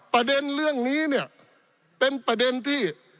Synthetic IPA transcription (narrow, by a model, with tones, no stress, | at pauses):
pɾa˧de˧nlɯ˥˩əŋniː˦˥ni˥˩ɐ | pe˧npɾa˧de˧nt̪ʰiː˥˩